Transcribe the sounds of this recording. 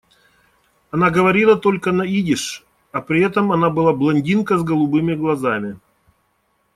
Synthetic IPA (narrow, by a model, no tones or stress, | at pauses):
ɐnaɡəvɐɾʲilˠət̪o̞lʲkənɐidʲɪʂ | ɐpɾʲɪɛt̪əmɐnabɨlˠablˠɐnʲdʲinkəzɡəlˠʊbɨmʲɪɡlˠɐzamʲɪ